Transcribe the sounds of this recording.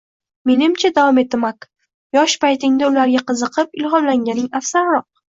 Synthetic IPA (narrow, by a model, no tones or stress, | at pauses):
me̞nɪmt͡ʃʰad̪avɒme̞t̪̚ɪmak | jɒʃpajt̪ʰɪŋd̪aʊlaɾɡʲaqʰɨzɨqʰɨpɪlɦɒnlaŋɡʲanɪŋafsaɾɾɒq̚